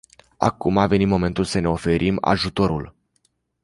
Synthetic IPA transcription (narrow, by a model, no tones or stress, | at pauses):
a̰kumave̞nit̪mo̞me̞nt̪ulsəne̞ofe̞ɾʔima̰ʒut̪o̞ɾul